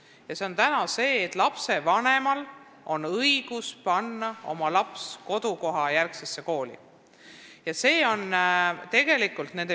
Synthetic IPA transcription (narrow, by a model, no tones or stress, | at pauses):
jɑse̞o̞nt̪ænɑse̞ːt̪ˑlɑpse̞vɑne̞mɑl | ʔo̞nɤiɡ̥uspɑnːɑo̞mɑlɑpsko̞d̪̥uko̞ɦɑjærksesːe̞ko̞ːlḭ | jɑse̞ːo̞nt̪e̞ɡ̥e̞likːˑult̪ne̞nd̪e